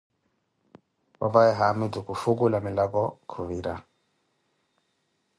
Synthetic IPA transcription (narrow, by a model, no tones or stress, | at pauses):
ba̰bajɛɦamidukufuk̬ulamilakɔkʰuβiɾa